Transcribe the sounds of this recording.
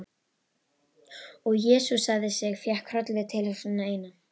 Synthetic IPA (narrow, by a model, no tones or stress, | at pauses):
ɔɣjɛːsusaɣðɪsjɛɣfjɛhkʰɾœt̪lɪðɪt̪ʰɪlhɛ̥sɪnːaeːjna